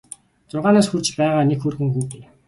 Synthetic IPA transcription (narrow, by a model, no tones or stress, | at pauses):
t͡sʊrʁaːnaːsxurt͡ɕpæːʁaːnekxurɣɘ̆ŋxuːtɘ̆n